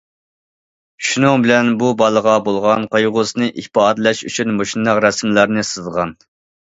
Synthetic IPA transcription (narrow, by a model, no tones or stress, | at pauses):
ʃunuŋbɪlɛnbubɑlˠəʁɑbolˠʁɑnqʰojʁʊsɨnɨʔihpɑd̪lɛʃy̰t͡ʃʰynmoʃinːɑqɾɛsmlæɾnɨsɨzʁɑn